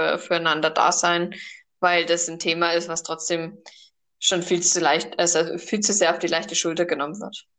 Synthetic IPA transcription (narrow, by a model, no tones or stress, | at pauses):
fyːɐaɪnandɐda̰ːzaɪn | vaɪldasn̩tʰeːmaɪstv̥astʁ̥ɔt͡sd̥eːm | ʃoːnfiːlt͡sulaɪçtʔzafiːlt͡suzeːɐaʊfd̥iːlaɪçtəʃʊltɐɡənɔmənvɪ̰ɐt